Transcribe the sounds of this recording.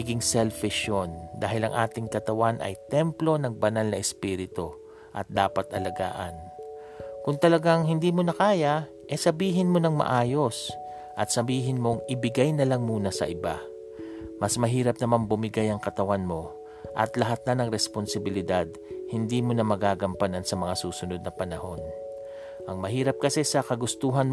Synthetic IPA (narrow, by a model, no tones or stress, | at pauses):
ɐɡɪŋsɛlfɪʃond̪aːɦɪlɐ̰ŋʔaːt̪ɪŋkɐt̪ɐwanʔɐ̰jt̪ɛmplo̞nɐŋbɐnalnɐʔɛspiːɾɪt̪o | ʔɐt̪̚d̪aːpɐt̪ʔɐlɐɡa̰ːʔɐ̰n | kʊŋt̪ɐlɐɡaŋɦɪnd̪iːmonɐkaːjɐ | ʔɛsɐbiːɦɪnmo̞nɐŋmɐ̰ʔaːjo̞s | ʔɐt̪̚sɐbiːɦɪnmo̞ŋʔɪbɪɡajnɐlaŋmuːnɐsɐ̰ʔɪba̰ | mɐsmɐɦiːɾɐp̚nɐmanbʊmɪɡajɐŋkɐt̪ɐwanmo̞ | ʔɐ̰t̪lɐɦat̪̚nɐnɐŋɾɛsponsɪbɪlɪd̪ad̪̚hɪnd̪iːmonɐmɐɡaːɡɐmpanansɐmɐŋasuːsʊno̞d̪̚nɐpɐnɐho̞n | ʔɐŋmɐɦiːɾɐp̚kɐsɛsɐkɐɡʊst̪uːɦɐn